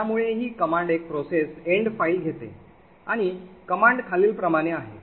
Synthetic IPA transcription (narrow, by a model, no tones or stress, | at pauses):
amuɭeɦiːkəmaɳɖek̚pɾoseseɳɖfailɡʱet̪ḛ | aɽ̃ikəmaɳɖkʰaliːlpɾəmaɽ̃eaɦḛ